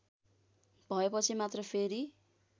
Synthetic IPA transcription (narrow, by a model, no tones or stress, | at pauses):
bʱʌepʌt͡sʰimat̪rʌpʰeɾi